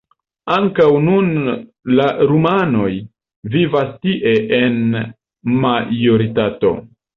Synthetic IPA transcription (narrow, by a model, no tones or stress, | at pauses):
aŋkawnunlaɾumano̞j | vivastiʔe̞ʔen | majoɾitato̞̰